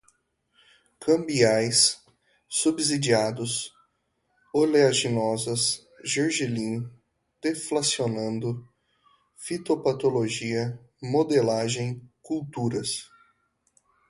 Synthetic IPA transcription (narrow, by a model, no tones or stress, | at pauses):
kʰɐ̃mbiajsː | ubzid͡ʒiad̪ʊs | oleaʒinɔzɐs | ʒeɾʒilĩ | d̪̥eflasionɐ̃nd̪ʊ | fit̪opat̪oloʒiɐmod̪elaʒẽj̃kult̪uɾɐs